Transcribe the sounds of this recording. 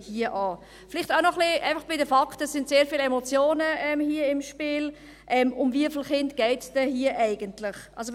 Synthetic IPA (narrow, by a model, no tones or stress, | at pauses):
hiəʔɑː | fɪlɪχtaʊnɔχlɪæ̰ɪfɑχb̥ɪdəfɑktəsːɪntseːɾfiːlɛmɔt͡sjoːnəʔɛmhiəɪmʃpiːl | ʔɛmʊmviəflχɪntɡ̥ɛɪtsd̥ɛhiəʔæɪɡəntlɪχʔɑls̬o